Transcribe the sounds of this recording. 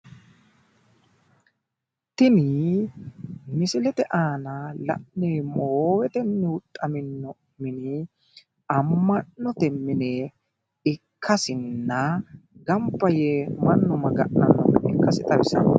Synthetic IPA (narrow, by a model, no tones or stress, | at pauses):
t̪ɪnɪ | mɪsɪlɛt̪ɛʔaːnɐlɐ̰ʔneːmoːwɛt̪ɛnːɪʊt̪ʼːɐmɪnːɔ | mɪnɪ | ɐmːɐnːɔt̪ɛmːɪneː | ɪkʰːɐsɪnːɐɡɐmpːɐjeːmɐnːɔmɐɡɐʔɐnːɔ̰mɪ̰kːɐsɪt̪ʼɐwɪsɐ̰